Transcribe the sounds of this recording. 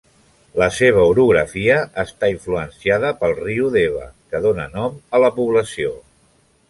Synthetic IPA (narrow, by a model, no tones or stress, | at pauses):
ləseβ̞əuɾuɣɾəfiəʔːst̪aiɱfluənsiaðəpəlˠriuðeβ̞ə̰kəðonə̰nɔmələpuβləsio